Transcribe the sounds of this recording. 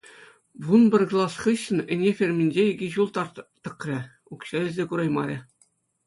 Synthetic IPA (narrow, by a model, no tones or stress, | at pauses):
ʋunbʲɘ̆rʲk̆lˠɑsχɯɕːɘ̆nɘ̆nʲefʲerʲmʲinʲd͡ʑeeɡʲiʑulˠt̪ɑrt̪t̪ːɤ̆krʲɘ̆ | ukɕɘ̆lʲɘ̆zʲekuɾɑjmɑ̰ɾʲɘ̆